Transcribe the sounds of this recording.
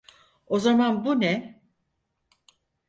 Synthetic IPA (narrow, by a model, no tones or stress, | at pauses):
o̞zamanbunɛ